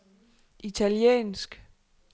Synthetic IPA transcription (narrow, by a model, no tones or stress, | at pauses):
ʔit͡sʰæliḛːnsɡ̥